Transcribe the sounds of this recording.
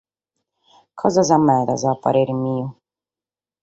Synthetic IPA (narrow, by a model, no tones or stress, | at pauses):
kʰɔzazamɛd̪a̰zapa̰ɾeɾimiu